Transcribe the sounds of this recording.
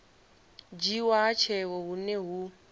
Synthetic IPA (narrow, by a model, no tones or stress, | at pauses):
d͡ʒiwat͡ʃʰɛwɔɦuneɦu